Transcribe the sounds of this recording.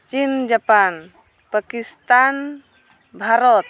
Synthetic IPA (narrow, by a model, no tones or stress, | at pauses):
t͡ʃind͡ʒapan | pakist̪an | bʱaɾɔt̪̚